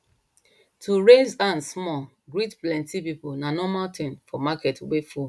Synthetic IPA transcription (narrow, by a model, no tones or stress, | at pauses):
tʰuɹezãnsmɔ | ɡɹitplɛ̃ntipipunanɔmaltĩmfɔmakɛtwefu